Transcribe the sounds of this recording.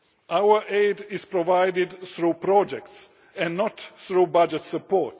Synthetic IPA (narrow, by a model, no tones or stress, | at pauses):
ʔawə˞ʔeɪdɪz̥pɹɔvaɪdɪd̪θɹuːpɾɔd͡ʒɛkts | ɛ̃nnɔt̪θɹubad͡ʒɛtsəpʰɔɹt